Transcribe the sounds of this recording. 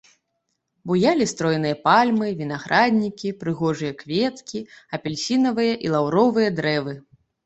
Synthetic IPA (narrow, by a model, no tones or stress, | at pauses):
bujalʲist̪ɾɔjnɨjɐpalʲmɨvʲin̪aɣɾʔad̪ʲnʲikʲipɾɨɣɔʐɨjɐkvʲɛt̪kʲiɐpʲɛlʲsʲinɐvɨjɐʔilˠawɾɔvɨjɐd̪ɾɛvɨ